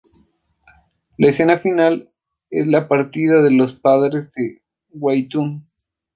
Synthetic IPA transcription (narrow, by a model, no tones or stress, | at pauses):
laese̞nafinal | ḛzlapaɾt̪iðaðelo̞spaðɾezðe | wajt̪un